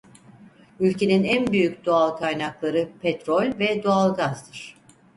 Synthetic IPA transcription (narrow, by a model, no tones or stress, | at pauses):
ylʲcʰe̞ninænbyjycd̪oalˠkʰajnaklˠaɾɯpʰɛt̪ɾo̞lʲvɛd̪oalˠɡazd̪ɯɾ̝̥